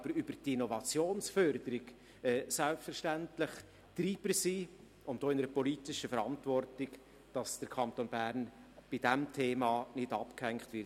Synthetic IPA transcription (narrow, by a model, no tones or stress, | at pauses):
b̥əɾybəɾtinɔvɑt͡sjoːnsfœɾdəɾɪɡ | ɛːsælpstfəɾʃtæntlɪχ | t̪ɾiːb̥əsi | ʊntd̥oːɪnəɾəpɔlitɪʃəfəɾɑntvɔrtɪɡ | d̥ɑsd̥əɾkʰɑnt̪onbæɾnb̥ɪd̥æmtʰeːmɑːnɪd̥ɑpkhɛŋkχtʋɪt